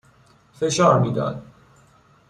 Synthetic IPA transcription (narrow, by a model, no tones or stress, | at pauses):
feʃɒːɾmiːd̪ɒ̰ːd̪̥